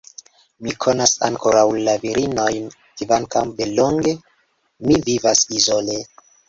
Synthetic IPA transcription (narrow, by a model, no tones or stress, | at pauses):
mikʰo̞nasa̰ŋkoɾawlaviɾino̞jn | kivaŋkambeloŋɡe | mivivasizole